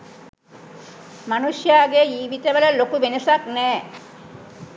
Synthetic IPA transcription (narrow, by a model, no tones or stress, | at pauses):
manuʃjaɡeiːʋit̪ebelalokubenesaknɛː